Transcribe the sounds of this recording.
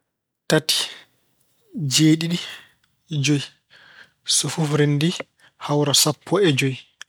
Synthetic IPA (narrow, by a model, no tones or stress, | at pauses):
tatʰi̥ | d͡ʒeːɗiɗi | d͡ʒoj | sɔfufɾendi | hawɾasapʰːɔɛd͡ʒoj